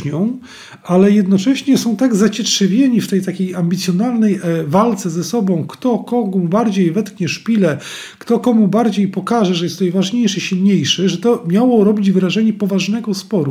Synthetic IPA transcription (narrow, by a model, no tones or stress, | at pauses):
ɲɔ̃w̃ | ʔalɛjɛd̪nɔt͡ʂɛɕɲɛsɔ̃w̃t̪aɡzat͡ɕɛtʂɛvʲjeɲift̪ɛjt̪akʲejamʲbʲit̪sʲjɔnalnɛjvalt̪sɛzɛsɔbɔ̃w̃kt̪ɔkɔɡɔbaɾd͡ʑejvɛt̪kɲɛʂpʲilɛ | kt̪ɔkɔmubaɾd͡ʑejpɔkaʐɛʐɛjɛst̪ːɛjvaʐɲejʂɘɕilɲejʂɘʐɛt̪ɔmʲjawɔɾɔbʲid͡ʑvɾaʐɛɲɛpɔvaʐnɛɡɔspɔɾu